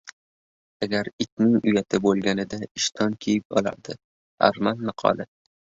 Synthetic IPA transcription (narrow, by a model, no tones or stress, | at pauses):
aɡʲaɾɪt̪nɪŋʊjat̪ʰɪbolˠɡʲanɪd̪aɪʃt̪ʰɒnkʲʰejɪp̚ɒ̰lˠa̰ɾd̪ɪ | a̰ɾmanːɨqʰɒ̰lˠɪ